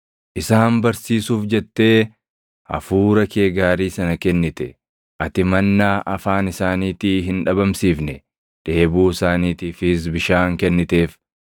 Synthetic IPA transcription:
ʔɪsaːmbɐɾsiːsuːfd͡ʒɛt̪ːe̞ː | ɐ̰fuːɾɐkʰeːɡaːɾiːsɐnɐkɛnːɪt̪ɛ | ʔɐt̪ɪmɐnːaːʔɐfaːnɪsaːniːt̪iːɦɪnᶑɐbɐmsiːfnɛ | ᶑ̪̥e̞ːbuːɪsaːniːt̪iːfɪs̬bɪʃaːŋkɛnːɪt̪e̞ːf

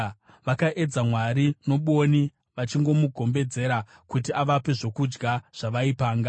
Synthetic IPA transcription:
ʋakaʔe̞d͡zamwaɾino̞ɓoni | ʋat͡ʃiŋɡo̞muɡʱo̞mbe̞d͡ze̞ɾakut̬iʔaʋape̞ʐo̞kud͡ʒɡaʐ̥aʋaipaːŋɡa

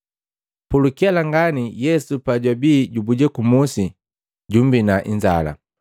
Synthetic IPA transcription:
pulukialaŋɡanijɛsupaɟwabiːɟubuɟɛkumusi | ɟum̩binaʔiɲd͡ʒa̰la̰

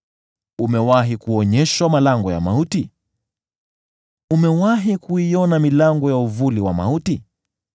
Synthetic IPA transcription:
umɛwaɦikuɔɲɛʃwamalaŋɡɔja̰ma̰uti | umɛwaɦikuijɔnamilaŋɡɔjauvuliwa̰ma̰uti

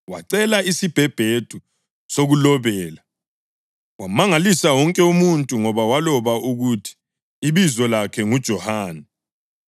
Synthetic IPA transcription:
waǀɛlaisib̥ʱɛb̥ʱed̥ʱu | soɣulɔβɛːla | wamaŋalisawɔŋkʼɛumuntʼuŋɔβawalɔβaʔuɣutʰi̥ː | βizɔlakʰɛŋud̥ʒ̥ʱɔhaːnɛ

